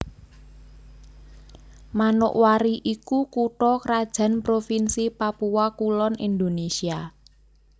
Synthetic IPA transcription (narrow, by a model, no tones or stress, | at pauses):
manʊ̰ʔwaɾiʔikukuʈɔkɾad̥ʒ̥ä̤npɾofinsipapuwakulɔnḭnd̪onesia